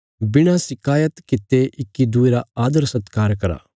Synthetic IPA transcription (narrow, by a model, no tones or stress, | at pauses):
bɪɽ̃asɪkaːjət̪kɪt̪ːeʔɪkːid̪ueɾaaːd̪əɾsɐt̪kaːɾkɐɾa̰ː